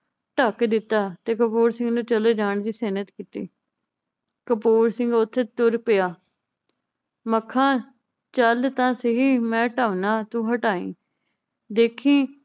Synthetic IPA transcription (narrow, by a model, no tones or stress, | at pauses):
ʈəkd̪ɪt̪ːaːt̪eːkəpuːɾsɪ̃ŋɡnũːt͡ʃəleːd͡ʒaːɳd͡ʒiːseːnət̪kiːt̪ḭː | kəpuːɾsɪ̃ŋɡʊt̪ʰːeːt̪ʊɾpɪjaː | məkʰːãː | t͡ʃəlt̪ãːsəɦiːmɛ̃ːʈəːʋnaːt̪ũːɦəʈaːḭ̃ː | d̪eːkʰĩː